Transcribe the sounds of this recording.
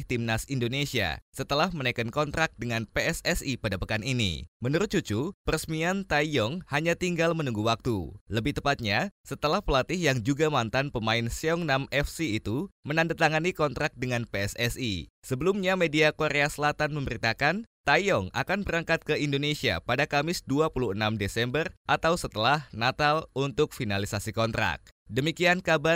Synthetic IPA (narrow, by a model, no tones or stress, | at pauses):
ht̪imnasindonesia̰sət̪əlahmənakənkɔnt̪ɾak̚dəŋanpeɛsɛsipadapəkaninḭmənuɾʊt̪̚t͡ʃut͡ʃupərəsmiant̪ajɔŋhaɲat̪iŋɡalmənuŋɡuwak̚t̪ṵləbɪht̪əpat̪̚ɲasət̪əlahpəlat̪ɪɦjaŋd͡ʒuɡamant̪anpəmaɪnsiɔŋnamɛfsiːt̪umənandat̪aŋanikɔnt̪ɾak̚dəŋanpeɛsɛsisəbəlumɲamediakoɾeasəlat̪anməmbəɾit̪akant̪ajɔŋa̰kanbəɾaŋkat̪̚kəindonesia̰padakamɪsduapuluhənamdesɛmbərʔat̪awsət̪əlahnat̪alunt̪ʊk̚finalisasikɔnt̪ɾa̰k̚dəmikiankaba